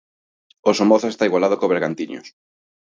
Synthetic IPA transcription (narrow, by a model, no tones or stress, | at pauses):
osomoθosest̪aiɣwalaðokoβeɾɣant̪iɲo̰s